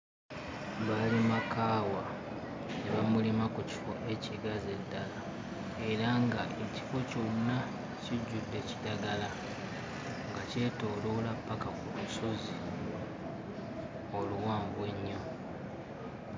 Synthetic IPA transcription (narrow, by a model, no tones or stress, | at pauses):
βalimakaːwa | neβamulimakuci̥fo̞ʔe̞ciɡaze̞dːala | e̞ɾaŋɡa̰ʔeci̥fo̞conːa | ciɟːudːe̞ci̥daɡala | ŋɡace̞ːto̞ːlolapːakakuluso̞zi | oluwaːmbweɲːo̞